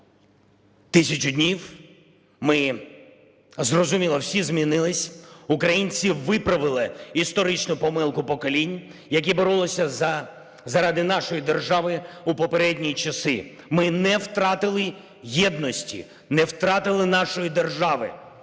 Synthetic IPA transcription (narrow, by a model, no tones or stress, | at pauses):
t̪ɪsʲɐt͡ʃʊdʲnʲiw | mɪ | zrɔzʊmʲilˠɔwsʲizmʲinɪlˠɪsʲʊkɾɐjinʲt͡sʲiʋɪpɾɐʋɪlˠɪist̪ɔɾɪt͡ʃnʊpɔmɪlˠkʊpɔkɔlʲinʲjɐk̬ʲibɔɾulˠɔsʲɐ | zɐɾɑd̪ɪnɑʃɔjid̪erʒɑʋɪupɔpeɾɛdʲnʲijt͡ʃɐsɪ̰ | mɪnɛwt̪ɾɑt̪ɪlˠɪ | jɛd̪̚nɔsʲtʲḭ | nɛwt̪ɾɑt̪ɪlˠɪnɑʃɔjid̪erʒɑʋɪ̰